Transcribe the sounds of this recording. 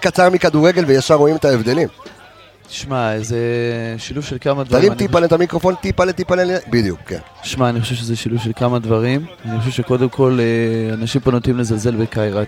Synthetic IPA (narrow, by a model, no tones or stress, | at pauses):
kat͡saʁmikad̪uʁe̞ɡe̞lvejaʃaʁo̞imet̪aevd̪e̞lim | t̪i̥ʃmaezeʃiluvʃelkamad̪vaalimt̪ipalet̪amikʁo̞fo̞nt̪ipalet̪ipalelbid̪jṵkkːḛnt̪i̥ʃmaːniχoʃevʃ̬ezeʃiluvʃe̞lkamad̪vaʁimaniχoʃevʃe̞ko̞d̪e̞mkʰo̞leanaʃimponot̪imlezalze̞lbekajʁa